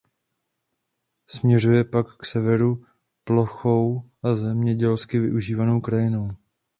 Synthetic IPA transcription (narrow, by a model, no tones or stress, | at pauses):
smɲɛr̝ujɛpakːsɛvɛɾu | plo̞xo̞wʔazɛmɲɛɟɛlskɪvɪʔuʒiːvano̞wkɾajɪno̞w